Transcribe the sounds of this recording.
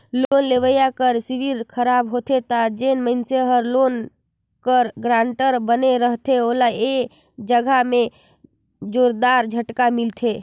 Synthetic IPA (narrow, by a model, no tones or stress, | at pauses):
lonleʋəjakəɾsiʋiɾkʰəɾabɦot̪ʰet̪ad͡ʒenməɪnseɦəɾlon | kəɾɡɾãɳʈəɾbəneɾəɦt̪ʰeoːlae | d͡ʒəɡʱamẽ | d͡ʒoːɾd̪aɾd͡ʒʱəʈkamilt̪ʰe